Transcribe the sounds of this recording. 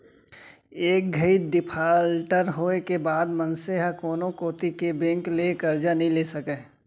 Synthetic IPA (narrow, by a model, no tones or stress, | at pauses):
eːk̚ɡʱəiɖɪpʰaːlʈəɾɦoːekebaːd̪mənseɦakoːnõkoːt̪ikebẽːŋklekəɾd͡ʒanəĩleːsəkeː